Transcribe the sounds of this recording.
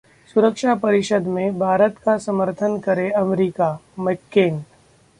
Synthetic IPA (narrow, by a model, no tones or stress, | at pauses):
sʊɾəkʃapɐɾɪʃəd̪mẽbʱaːɾət̪kasɐməɾt̪ʰənkɐɾeɐmɾiːkamɪkːeːn